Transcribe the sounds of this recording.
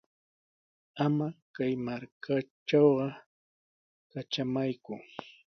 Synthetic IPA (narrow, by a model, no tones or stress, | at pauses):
amakajmaɾkʰaʈ͡ʂawɢɑ | kat͡ʃamajkʊ